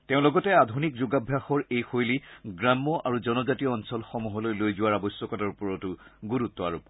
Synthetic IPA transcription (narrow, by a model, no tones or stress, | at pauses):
teʊ̃lɔɡɔtɛadʱunik̚zuɡabʱjaxɔɹejxojliɡɹamːɔʔaɹuzɔnɔzatiɔɔnsɔlxɔmuɦɔlojlojzʊwaɹabɔsɔkɔtaɹupɔɹɔtʊɡuɹutːɔa̰ɹup̚